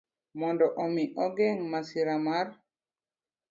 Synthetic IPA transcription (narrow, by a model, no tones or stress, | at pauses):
mɔndɔʔomiʔɔɡɛŋmasiɾamaɾ